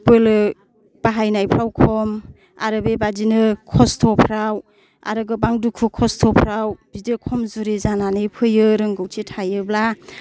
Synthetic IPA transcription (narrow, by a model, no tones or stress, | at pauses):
pɯlɯ | b̥aɦajnajpʰɾawkʰɔm | a̰ɾɯbebadinɯkʰɔstʰɔpʰɾaw | a̰ɾɯɡɯbaŋdukʰukʰɔstʰɔpʰɾawb̥idekʰɔmzuɾizananɯjpʰɯjɯɾɯŋɡɯwtʰitʰajɯbla